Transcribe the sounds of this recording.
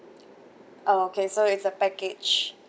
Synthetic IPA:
ʔookʰesoɪtsəpɛkɪd͡ʒ

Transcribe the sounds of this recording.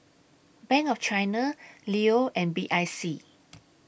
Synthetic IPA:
bɛ̃ŋkɔft͡ʃajnəlioʔɛ̃nbiʔajsi

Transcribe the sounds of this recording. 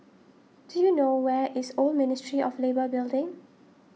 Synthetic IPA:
d̥ujunowɛʔɪsolmɪnɪstɹiʔɔflebəbɪldɪ̃ŋ

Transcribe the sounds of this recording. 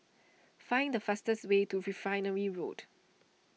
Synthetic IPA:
fãɪ̃ndəfastəswetuɹifɹãɪnəɹiɹo̰d

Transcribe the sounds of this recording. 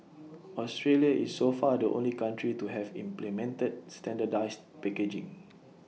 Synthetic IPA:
ɔstɹeliaʔḭsːofadəʔõ̰nlikãntɹituɦɛvḭ̃mplimɛ̃ntəd̚stɛ̃ndədaɪs | pɛked͡ʒɪ̰̃ŋ

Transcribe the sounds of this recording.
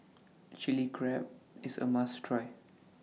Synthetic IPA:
t͡ʃilikʰɹɛp̚ɪsə̰mastʰɹɔɪ

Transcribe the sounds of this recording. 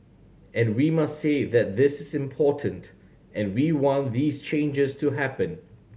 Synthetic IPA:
ʔɛ̃nwimastseðɛt̚ðɪsɪsɪ̃mpʰɔtʰə̃nt | ʔɛ̃nwiwɔ̃nðiːst͡ʃʰẽɪnd͡ʒəstʰuɦæpə̃n

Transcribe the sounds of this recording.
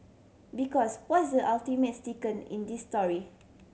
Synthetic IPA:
bikɔswɔsdəʔaltimetstikə̃nḭ̃ndisːtɔɹi

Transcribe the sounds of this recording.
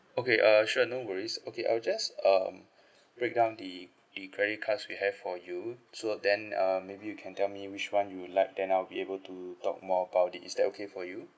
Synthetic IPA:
okeʔʌʃunowəɹisokʰeʔa̰ɪld͡ʒasʌm | b̥ɹek̚dãʊ̃ndə | dəkʰɹɛɾit̚kʰatswihɛvfɔjusodɛ̃nʌmebijukʰɛ̃ntɛlmiwit͡ʃwãnjulaɪk̚dɛ̃naɪlbiebəltutɔ̰k̚mɔəbaʊt̚itisdɛt̚okʰefɔju

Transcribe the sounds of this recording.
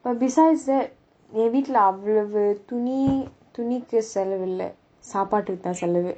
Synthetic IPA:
b̥ɐʈ̚bɪsaːɪɖsd̪ɛʈ̚ | ẽʋiːʈlɐɐʋɭɐʋɯt̪uni | t̪unikːɨsɛlɐʋɪlːɛ̰ | saːpaːʈːɯkt̪ãːsɛlɐʋɨ

